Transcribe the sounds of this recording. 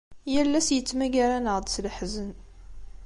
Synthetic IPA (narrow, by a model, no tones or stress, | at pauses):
jælːæsjət͡sːmæɡæɾænəʁd̪sləħzən